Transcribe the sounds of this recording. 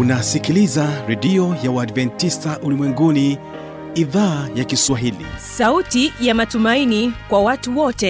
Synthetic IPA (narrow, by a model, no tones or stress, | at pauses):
unasikilizaɾɛdiɔjawaːdvɛntistaʔulimwɛŋɡuni | iðaːjakiswaɦilḭsautijamatumainikwawatuwɔtɛ